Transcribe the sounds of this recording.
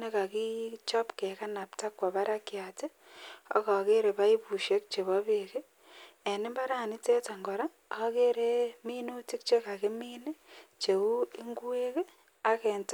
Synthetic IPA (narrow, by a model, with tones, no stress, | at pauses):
ne˦ka˨ki˦t͡ʃɔ˦pke˨ka˦na˨pta˦kwa˨βa˦ɾa˦kja˨te˦ | ɔ̰˦ka˨ke˦ɾe˨βa˦i˦bu˨ʃe˦k̚t͡ʃe˨βɔ˦βe˨ke˦ | e˨ni˦mba˦ɾa˨ni˦te˦ta˨ŋɡɔ˨ɾa˦ | a˦ke˦ɾe˦miː˦nu˦ti˦k̚t͡ʃe˦ka˨ke˦miː˦ne˦t͡ʃe˨u˦i˦ŋɡwe˦ke˦ | a˦ke˨nt